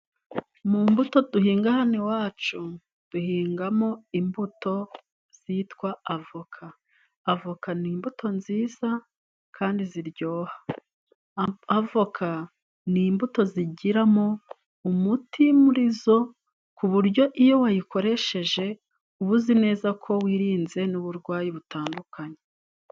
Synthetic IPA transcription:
mumbuto̞d̥uhiːŋɡahanewaːt͡ʃu | d̥uhiːŋɡamo̞imbuto̞ | z̥itkwaavokʰaː | vokaniːmbutʰo̞nziːz̥a | kʰaːndiziɾɟo̞ːhḁ | vo̞kʰa | niːmbuto̞ziɟiɾamo̞ | umutimuɾizo̞ | kuβuɾɟo̞ʔijo̞wajiko̞ɾe̞ʃe̞ʒe̞ | uβuzine̞ːzakʰo̞wiːɾiːnze̞nuβuɾɡwaːjiβutaːndukʰaɲe̞

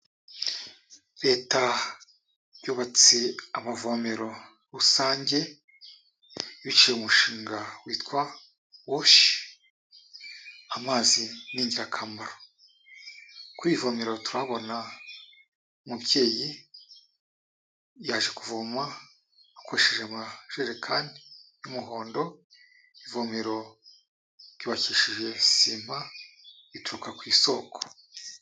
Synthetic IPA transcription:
ɾe̞ːta | juːβat͡seamavo̞meɾo̞ | ɾusaːɲɟe̞ | βit͡ʃijeumuʃiːŋɡawiːtkwa | woʃi̥ | amaːziniːɲɟiɾakʰaːmaɾo | kwiːvo̞ːmeɾo̞tuɾaβo̞na | mubje̞ːji | jaːʒe̞kuvomaː | kʰoɾʃeʒemaʒ̥eʒekʰandijumuɦo̞ːndo̞ | ivomiɾo̞ | ɾ̥iβaciʃiʒe̞sim̥ha | ituɾukakwiːso̞kʰo̥

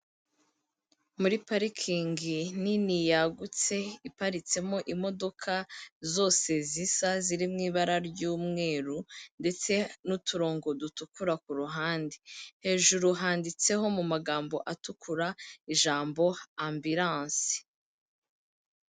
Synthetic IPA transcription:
muɾipaɾikʰiːŋɡininijaɡut͡se̞ipaɾit͡se̞mo̞ʔimo̞do̞kʰazo̞ːse̞zisaziɾimŋiːβaɾaɾɟuːmŋe̞ːɾunde̞t͡se̞nutuɾo̞ːŋɡo̞dutukuɾak̚uɾuɦaːndihe̞ːʒuɾuɦaːndit͡se̞ɦo̞mumaɡaːmbo̞ʔatukʰuɾaiʒaːmbo̞ambiɾãːnsi̥

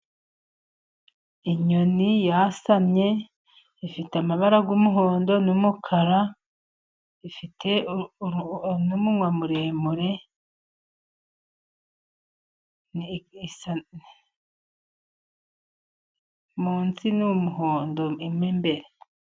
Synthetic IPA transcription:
iɲo̞nijasamɲe̞ | ifiteamaβaɾaɡumuɦo̞ːndo̞numukʰaɾa | ifitʰe̞ | numuwamuɾe̞ːmuɾe̞ | sa | muːnsinumuɦoːndo̞imŋembe̞ɾe

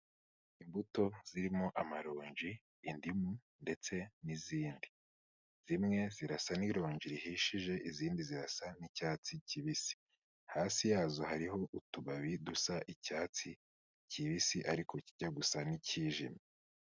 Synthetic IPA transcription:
imbuto̞z̥iɾimo̞ʔamaɾo̞ːɲʒiː | ndimu | nde̞t͡se̞niziːndi | z̥imŋe̞ziɾasaniɾo̞ːɲd͡ʒiɾihiːʃiʒe̞ʔiziːndiziɾa̰sanicaːt͡siciβisi̥ | haːsijaːzoɦaɾiɦo̞ʔutuβaβidusaʔicaːt͡si | ciβisiʔaɾikʰo̞ciɟaɡusaniciːʒḭme

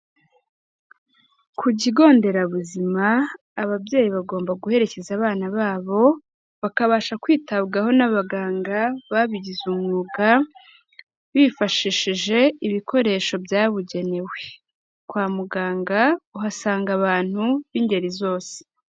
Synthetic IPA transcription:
kʰuɟiɡo̞ːnde̞ɾaβuzimaː | βabje̞ːjiβaɡo̞ːmbaɡuhe̞ɾe̞ce̞zaβaːnaβaːβo̞ | βakaβaːʃakwiːtaβɡaho̞naβaɡaːŋɡaβaβiɟizumuːɡa | βiːfaʃiʃiʒe̞iβiko̞ɾe̞ːʃo̞bjaːβuɟe̞ne̞we̞ | kwaːmuɡaːŋɡauɦasaːŋɡaβaːn̥huβinde̞ɾizo̞ːse̥

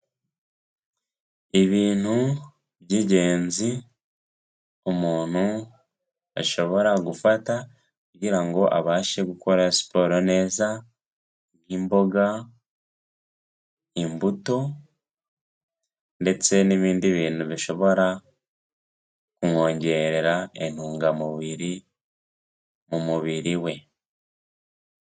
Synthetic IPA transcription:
iβiːn̥hu | βjiɟe̞ːnzi | omuːn̥hu | a̰ʃo̞βo̞ɾaɡufata | kuɟiɾaŋɡo̞ʔaβaːʃe̞ɡukʰo̞ɾaesi̥po̞ɾone̞ːza | niːmbo̞ɡa | imbuto̞ | nde̞t͡se̞niβiːndiβiːnuβiʃo̞βo̞ɾa | kuŋo̞ːɲɟe̞ɾeɾaen̥uːŋɡamuβiɾi | mumuβiɾiwe̞

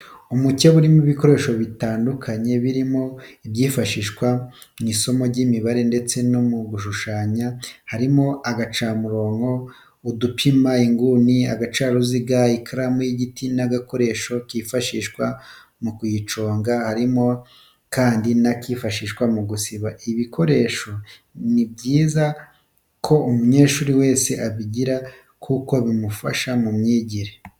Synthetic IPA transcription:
umuceβuɾimuβiko̞ɾe̞ːʃo̞βitaːndukʰaɲe̞βiɾimo̞ibɟiːfaʃiːʃkwa | niso̞mo̞ɾɟimiβaɾe̞nde̞t͡se̞nomuɡuʃuʃaːɲahaɾimo̞aɡat͡ʃaːmuɾo̞ːŋo̞ | udupʰimaiŋɡuniaɡat͡ʃaɾuziɡaikʰaɾamujiɟitinaɡako̞ɾe̞ːʃo̞kiːfaʃiːʃkwa | mukujit͡ʃo̞ːŋɡahaɾimo̞ | kaːndinakiːfaʃiːʃkwamuɡusiβaʔiβikʰo̞ɾe̞ʃo̞ | nib̚ɟiːza | kʰo̞umuɲe̞ːʃuːɾiwe̞ːse̞ʔaβiɟiɾa | kʰuko̞βimufa̰ʃamumɲiːɟiɾe

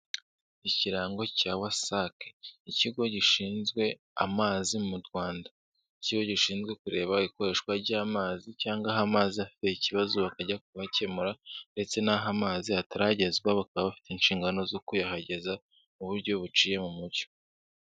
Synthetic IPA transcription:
iciɾaːŋɡo̞cawasake̥iciɡo̞ɟiʃiːnzɡwe̞ | a̰maːzimumuɾɡwaːnda | iciɡo̞ɟiʃiːnzɡwe̞kuɾe̞ːβaiko̞ɾe̞ʃkwaɾɟaːmaːzicaːŋɡaɦamaːziafi̥teiciβazuβakaɟak̚uβace̞muɾande̞t͡se̞naɦamaːziataɾaɟe̞zɡwaβakaβaβafi̥teinʃiːŋɡano̞zo̞kujahaɟe̞za | uβuɾɟo̞βut͡ʃiːje̞mumuɾɟo̞̥

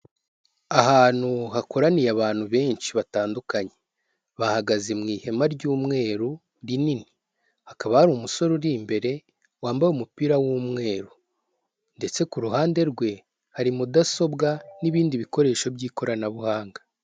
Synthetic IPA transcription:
aɦaːn̥huɦako̞ɾanijaβaːn̥huβe̞ːɲʃiβataːndukaɲe̞̥ | βahaɡazemŋiːhe̞maɾɟuːmŋe̞ːɾu | ɾinini̥ | hakaβahaɾumuso̞ɾoɾiːmbe̞ɾe̞ | waːmbajumupiɾawuːmŋe̞ːɾu | nde̞t͡se̞kuɾuɦaːnde̞ɾɡwe̞ | haɾimudaso̞bɡaniβiːndiβiko̞ɾe̞ːʃo̞bjɟiːko̞ɾanaβuhaːŋɡḁ

